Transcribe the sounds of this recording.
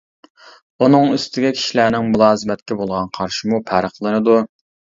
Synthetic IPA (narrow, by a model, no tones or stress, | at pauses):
unɨŋøst̪ʰɪɡʲɛkʲʰi̥ʃilæːnɪŋmulˠɑːzɨmɛt̪̚kʲɛbolˠʁɑnqʰɑɾʃɪmupʰæɾəχlˠɨnɨd̪u